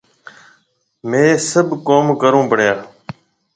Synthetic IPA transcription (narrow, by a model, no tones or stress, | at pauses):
mẽːsəbʱkoːmkəɾũːpəɳjãː